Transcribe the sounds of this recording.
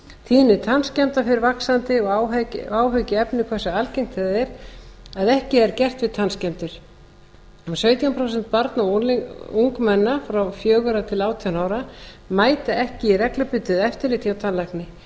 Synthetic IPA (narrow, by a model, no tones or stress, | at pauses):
t̪ʰiːðnɪt̪ʰanscɛmt̪afɪɾɪɾvaksant̪ɪɔwaːwɦœɥcɪɛpnɪkʰvɛsaalcejŋkt̪ʰɛðɪɾ̥aðɛhcɪɛɾcɛr̥t̪vɪðt̪ʰanscɛmt̪ɪɾ̥ | sœːɥt̪iampʰɾowsɛnt̪̚paɾt̪nauŋkmɛnːafɾawfjœːɣʏɾat̪ʰɪlaːwt̪ʰianaːwɾa | maːjt̪aɛhcɪirɛklapʏt̪ʏðɛft̪ɪɾlɪt̪ʰjawt̪ʰanlajknɪ